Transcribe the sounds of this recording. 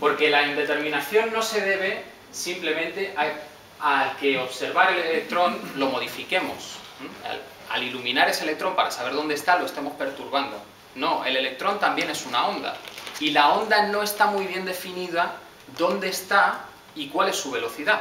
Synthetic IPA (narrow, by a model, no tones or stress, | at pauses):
po̞ɾke̞laind̪e̞t̪e̞ɾmĩnaθjo̞nːo̞se̞ðe̞βe̞ | simple̞mẽ̞nt̪e̞ʔa | alke̞o̞βse̞ɾβaɾe̞le̞le̞k̚t̪ɾo̞nlo̞mo̞ð̞ifike̞mo̞̰sa̰l | a̰lilumĩnaɾe̞selekt̪ɾo̞mpaɾasaβe̞ɾð̞o̞nd̪est̪alo̞e̞st̪emo̞spe̞ɾt̪uɾβ̞and̪o̞̰ | no̞e̞̰le̞le̞k̚t̪ɾo̞nt̪ambje̞ne̞sunao̞nd̪a̰ilao̞nd̪ano̞e̞st̪amujβ̞je̞nd̪e̞finiða | ðo̞nd̪e̞ːst̪a | ikwale̞sːuβ̞e̞lo̞θiða